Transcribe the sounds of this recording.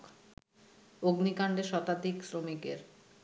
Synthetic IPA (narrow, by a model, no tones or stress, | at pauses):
k | oɡnikaɳɖeɾʃɔt̪ad̪iksɾomikeɾ